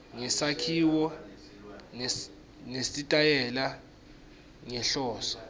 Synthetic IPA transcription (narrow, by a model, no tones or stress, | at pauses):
ŋɛsakʰiːwɔ | nesitʼajɛla | ŋɛɬɔːsɔ̥